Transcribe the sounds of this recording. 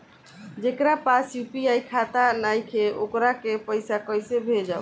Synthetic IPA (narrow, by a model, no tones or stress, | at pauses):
d͡ʒekɾapasjupiajkʰat̪anajkʰeʔokɾakepəjsakɔjsebʱed͡ʒaʊ